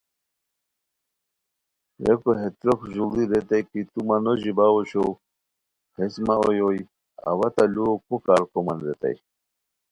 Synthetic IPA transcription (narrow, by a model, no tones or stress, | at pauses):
jekoɦet̪ɾokʑuld̪iɾet̪ajkit̪umanoʑibaoɕo | hesmao̰joj | a̰wat̪alukukaːɾkomɐnɾet̪a̰j